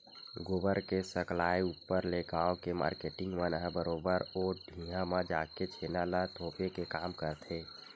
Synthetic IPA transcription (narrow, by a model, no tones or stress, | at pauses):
ɡobəɾkesəklaːiuːpːəɾleɡaːokema̰ːɾkeːʈɪ̃ŋɡʋənɦə̃bəɾoːbəɾoːɖʱĩːɦãmãd͡ʒaːket͡ʃʰeːnalat̪ʰoːpekekaːmkəɾt̪ʰeː